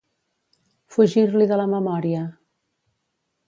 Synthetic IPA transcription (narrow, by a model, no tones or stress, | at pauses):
fuʒiɾliðələməmɔɾiə